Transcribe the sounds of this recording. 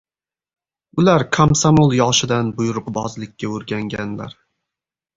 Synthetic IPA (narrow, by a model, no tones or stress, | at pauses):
ʊlaɾkʰamsamolˠjɒʃɪd̪anbʊjʊɾqbɒzlˠɪkʲːaɵɾɡʲaŋɡʲanla̰ɾ